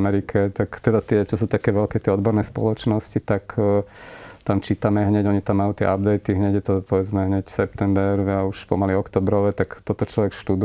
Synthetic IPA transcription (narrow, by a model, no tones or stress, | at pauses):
mɛɾikʰɛt̪akt̪ɛd̪at̪ɪɛt͡ʃɔsuːt̪akɛːʋɛlkɛt̪ɪɛɔd̪bɔɾnɛːspɔ̰lɔt͡ʃnɔscit̪ak | t̪amt͡ʃiːt̪amɛɦɲɛɟɔɲit̪amːajut̪ɪɛ̰ʔabd̪ɛjt̪iɦɲɛɟjɛt̪ɔpɔʋɛd͡zmɛɦɲɛcsɛpt̪ɛmbɛɾauʃpɔ̰maliɔkt̪ɔbɾɔʋɛt̪akt̪ɔt̪ɔt͡ʃlɔʋɛkʃt̪ud̪